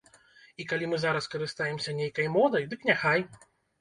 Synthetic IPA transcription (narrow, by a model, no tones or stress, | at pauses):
ikalʲimɨzaɾɐskɐɾɨst̪ajɛmsʲɐnʲejkɐjmɔd̪ɐjd̪ɨknʲaxaj